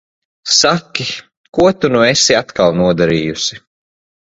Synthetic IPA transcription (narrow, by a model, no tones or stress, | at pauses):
sakʲːi | kuɔt̪unuɛsiat̪kalˠnuɔd̪aɾiːjusi